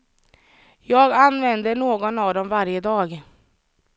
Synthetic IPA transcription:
jɑːɡanːvɛnd̪əɳoːɡɔnɑvd̪ɔmvaɾjəd̪ɑːɡ

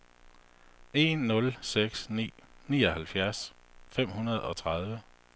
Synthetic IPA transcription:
e̝̰nːɔ̽lseɡ̥snḭːnḭːɒ̽hælfjæɐs | fem̰hunɐð̞̩ˠɒ̽t͡sʰʁɑð̞ˠʋə

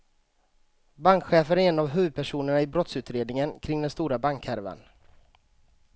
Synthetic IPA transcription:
baŋkɧɛːfənæɾɛːnavɦʉ̟ːvəd̪̚pʰæʂuːnəɳaɪbɾɔt̪sʉ̟ːt̪ɾeːd̪nɪŋənkʰɾɪŋd̪ɛnst̪uːɾabaŋkʰæɾva̰n

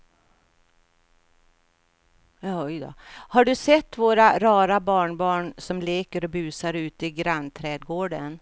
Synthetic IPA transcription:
jɑːɔjd̪ɑ̰haɖɵsɛt̪ːvoːɾaɾɑːɾabɑːɳbɑːɳsɔmleːkəɾɔbʉ̟ːsaɾʉ̟ːt̪ɪɡɾanːt̪ʰɾɛːd̪̚ɡoːɖən

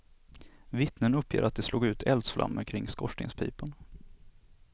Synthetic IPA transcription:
vɪt̪nənɵpːjḛːɾat̪̚d̪ɛsloːɡʉ̟ːt̪ʰɛld̪sfla̰mːəɾkʰɾɪŋːskɔʂɳɪ̰ŋspʰḭːpən

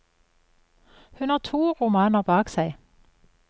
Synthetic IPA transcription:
hʉnhɑːt̪ʰuːʁʊmɑːnəʁbɑːksæɪ

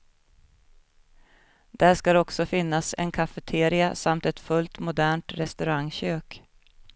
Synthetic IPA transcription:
d̪̥æʂkaɾɔksɔfɪnːasɛ̰nkʰafɛt̪ʰeːɾɪasamt̪ɛt̪fɵlt̪mʊd̪æːɳʈɾɛst̪ɵɾaŋɕøːk

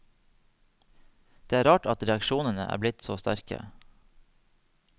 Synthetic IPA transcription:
d̪̥eːæːɾɑːʈɑt̪ɾɛɑkʃuːnənəʔæ̰ːblɪt̪soːst̪æ̰ɾkə̰

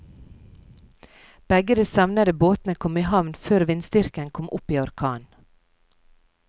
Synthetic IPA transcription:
b̥ɛɡəd̪eːsɑʋnɑd̪əboːt̪n̩əkʰɔmiːhɑʋnføːɾʋɪnst̪ʏɾkənkʰɔmʔʊpiːɔɾkʰɑːn

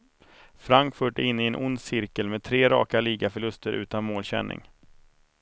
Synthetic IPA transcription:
fɾaŋkfʊʈɪnːɪɛnʔʊnd̪sɪɾkəlmɛd̪̚t̪ʰɾeːɾɑ̰ːkaliːɡafœɭɵst̪əɾʔʉ̟̰ːt̪anmoːlɕɛ̰nːʔɪ̰ŋ

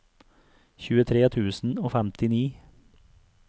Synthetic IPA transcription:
çʉːət̪ʰɾeːt̪ʰʉːsn̩oːfæmt̪ɪniː

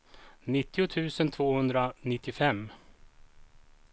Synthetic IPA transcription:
nɪt̪ːɪʊt̪ʰʉ̟ːsənt̪ʰvoːhɵnd̪ɾanɪt̪ʰːɪfɛmː

